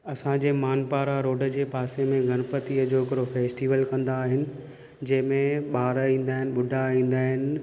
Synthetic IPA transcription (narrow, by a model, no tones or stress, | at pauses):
ɐsãd͡ʑeːmaːnpaːɾaɾoːɖəd͡ʑeːpaːsemẽɡʱɐɽ̃pət̪iəd͡ʑoːɪkɪɾofeːsʈiːʋəlkɐ̃nd̪aːɦɪnɪ̆ | d͡ʑɐ̃ɦɪ̃mẽɓaːɾĩːn̆d̪aːɦɪnɪ̆ɓʊɖʱaĩːn̆d̪aːɦɪnɪ̆